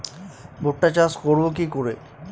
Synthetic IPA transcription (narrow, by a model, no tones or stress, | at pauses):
bʱoʈːat͡ɕaskoɾbokikoɾe